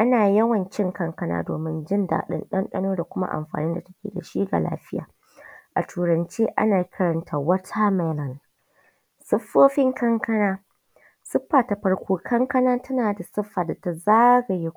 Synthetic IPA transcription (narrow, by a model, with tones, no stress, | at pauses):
ʔa˦naː˨jɐ˦wɐ˨nt͡ʃɪ˦ŋkɐ˦ŋkɐ˦na̰ː˦do̰ː˨mɪ˦nd͡ʒɪ˦nda̰˨ɗɪ̰˦nɗɐ˦nɗɐ˦noː˦da˨kʷʊ˦ma̰˦ʔa̰˨mɸa̰ː˨nɪ˦nda˨tɐ˦kʲḛː˨da̰˨ʃiː˦ɡa̰ː˨la̰ː˦ɸɪ˦ja̰ː˨ | ʔa˨tʰuː˨ɾɐ˨nt͡ʃeː˦ʔa̰˦naː˨˦kʰɐ˦ɾɐ˨ntʰa˨wɐ˦tʰaː˦mɛ˨lɐ˨n | sʊ˦ɸoː˦ɸɪ˦ŋkɐ˦ŋkɐ˦naː˦ | sʊ˦ɸaː˨ta˨ɸɐ˨ɽkʷoː˦kʰɐ˦ŋkɐ˦naː˦tʰɐ˦naː˨da˨sɐ˦ɸːaː˨da˨ta˨zaː˦ɡɐ˨ji˦